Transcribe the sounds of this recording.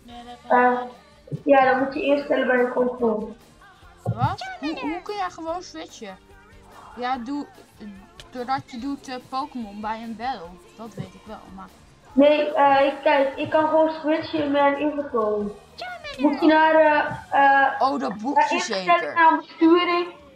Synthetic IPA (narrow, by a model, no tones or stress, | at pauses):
ə | jadɔnmutjəɪərstɛləbɛjəpʰoːkəmɔn | ʋtuɦukənjɛjχəʋoːnsʋɪt͡ʃə | jadu | d̥odɔtjədutəpowkəmɔnbɛjənbɛlˠ | d̥ɔtʋejtɪkʋɛ̰lˠma | nejəːɪkːɛjkɪkːɑnχəʋoːnswɪt͡ʃəɪnmɛjnɪnvətoːə | mukənaːrəəːodbuaɪsɛlɪnaːrbəstyːəɾɪŋ